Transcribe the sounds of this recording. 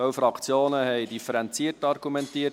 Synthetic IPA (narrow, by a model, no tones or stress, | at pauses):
œwfɾɑkʰt͡sjoːnəhɛɪdifəɾɛnt͡siərtɑrɡumɛntiːə